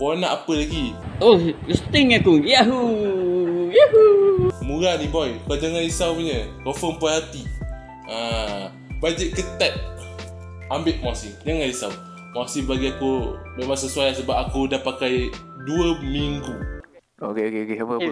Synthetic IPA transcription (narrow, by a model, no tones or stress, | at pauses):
konaʔapəlaɡiost̪ɪŋakujaɦu | jaɦumuɾanibɔjkad͡ʒaŋaisawɲəkofɔmpajɦat̪i | a | bad͡ʒəʔkət̪at̪̚ | ambɪʔmasɪd͡ʒaŋaisaw | masibaɡiakumemaŋsəsuajlasəbap̚akudahpakaj | duəmiŋɡu | okeokeokeapə